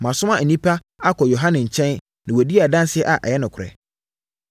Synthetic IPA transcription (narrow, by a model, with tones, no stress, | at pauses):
mã˨sʊ˦mã˨n̩˨nĩ˦pʰa˦ | a˦kʰɔ˨jo˨ɦã˦nɪ̃˨ɲ̩˨t͡ɕʰɛ̃˦n | nɪ̃˨wo˨di˦a˨dã˦n˦sɪ˦ɛ˦ʔa˨ʔɛ̰˨jɛ˦nʊ̃˨kʰʊ˨ɾɛ̰˨